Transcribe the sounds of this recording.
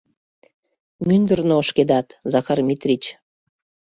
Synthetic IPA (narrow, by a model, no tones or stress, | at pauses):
mynd̪ərnooʃked̪ɑt̪zɑxɑrmʲit̪rʲit͡ɕ